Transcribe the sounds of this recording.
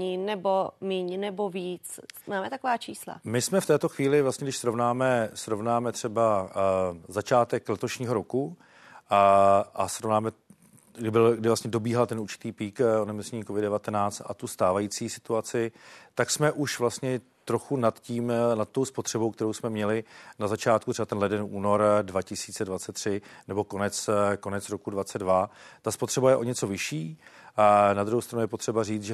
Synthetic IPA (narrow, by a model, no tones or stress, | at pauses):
inɛbomiːɲnɛboviːt͡smaːmɛt̪akovaːt͡ʃiːsla̰mɪsmɛft̪ɛːt̪o̞xviːlɪvlastɲɛɡdɪʃsɾo̞vnaːmɛsɾovnaːmɛt̪r̝̥ɛba | zat͡ʃaːt̪ɛklɛt̪o̞ʃɲiːɦo̞ɾo̞ku | ʔasɾovnaːmɛ | ɡdɪbɪlɡdɪvlast̪ɲɛdo̞biːɦalt̪ɛnuɾt͡ʃɪ̥t̪iːpiːkonɛmosɲɛɲiːkovɪddɛvat̪ɛnaːt͡st̪ʔa̰t̪ust̪aːvajiːt͡siːsɪt̪uat͡sɪt̪aksmɛʔuʃvlast̪ɲɛ | t̪ɾo̞xunat̪ciːmnat̪t̪ːo̞wspo̞t̪r̝̥ɛbo̞wkt̪ɛɾowsmɛmɲɛlɪnazat͡ʃaːt̪kut̪rɛbat̪ɛnlɛdɛnuːno̞ɾdvacɪsiːt͡sɛdvatt͡sɛt̪ːr̝̥ɪnɛbo̞ko̞nɛt͡sko̞nɛt͡sɾo̞kudvat͡sɛdvat̪aspo̞t̪r̥ɛbajɛʔo̞ɲɛt͡so̞vɪʃiː | nad̪ɾuɦowst̪ɾanujɛpo̞t̪r̝̥ɛbariːt͡sʒɛ